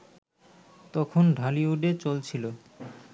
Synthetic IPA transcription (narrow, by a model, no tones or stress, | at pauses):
t̪ɔkʰonɖʱaliuɖet͡ɕolt͡ɕʰilo